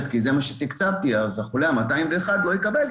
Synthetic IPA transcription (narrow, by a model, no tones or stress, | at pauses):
t̪kize̞maʃet̪ikt͡savt̪iazaχuleamataimveːχad̪lo̞jikabel